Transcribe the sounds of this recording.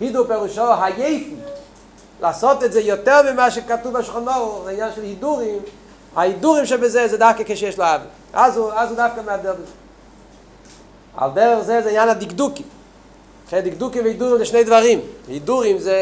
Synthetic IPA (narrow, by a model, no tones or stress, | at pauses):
pidupɛʁuʃɔɦajeɪfn̩ | lˠʔasɔtɛtzejɔtɛʁmɪmaːʃɛkatuvaʃlχɔnɔʁzaɪnɲjanʃɛlˠhiduɾim | hahiduʁiɪmʃɛbɪzezeːdafkəkeɪʃɛʃlˠɪavɪ | azuazudafkəmɪadɛd | a̰lˠdɛʁəχzezaɪnjanadɪɡdukɪm | χeɪdɪkdukɪmvɪhiduʁimzɪʃneɪdvaʁimhiduʁɪmze